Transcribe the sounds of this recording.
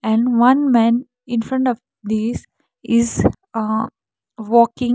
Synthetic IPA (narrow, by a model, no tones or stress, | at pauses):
ɛ̃ɳɖʋʌ̃nmɛ̃ːn | ɪ̃nfɾʌ̃ɳʈɔʋ | d̪iːz | ɪz | ʋɔːkɪ̃ŋ